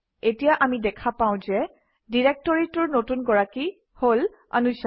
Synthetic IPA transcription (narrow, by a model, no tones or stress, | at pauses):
etijaʔamidɛkʰapãʊ̃zɛ | diɹek̚tɔɹitʊɹnotunɡɔɹaki | hol | a̰nusa